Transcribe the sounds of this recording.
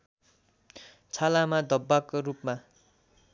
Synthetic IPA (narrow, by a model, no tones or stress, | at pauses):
t͡sʰalamad̪ʱʌbːakorupma